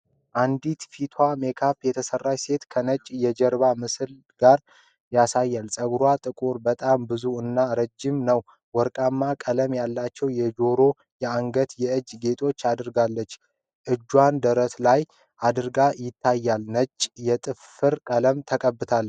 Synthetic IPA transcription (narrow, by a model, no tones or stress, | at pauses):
ʔand̪it̪fit̪ʰwʷame̞kʰapjɛt̪ʰəsərːajse̞t̪kʰənət͡ʃʼːjɛd͡ʒəɾbamɨsɨl | ɡ̥aɾ | jasajːalsʼəɡɾwat̪ʼɨkʼuɾbət̪ʼambɨzuɨnːaɾəd͡ʒːɪmnəw | wɔɾkʼamːakʼələmjalːat͡ʃːɛwjɛd͡ʒo̞ɾo̞ | jɛaŋɡət̪jɛɨd͡ʒːɡe̞t̪ʰo̞t͡ʃːad̪ɨɾɡalːət͡ʃː | ʔɨd͡ʒːwand̪əɾət̪laj | ʔad̪ɨɾɡajɪt̪ʰːajːalnət͡ʃʼːjɛt̪ʼɨf | ɨɾkʼələmt̪ʰəkʼəbːɨt̪ʰal